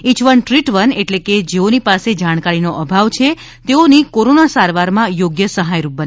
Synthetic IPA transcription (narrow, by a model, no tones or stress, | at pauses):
it͡ʃʋəɳʈɾiʈʋəneʈleked͡ʒeonipased͡ʒaɽ̃kaɾinoʔəbʱaʋt͡ʃʰe | t̪eonikoɾonasaɾʋaɾmãjoɡjəsəɦajɾup̚bəne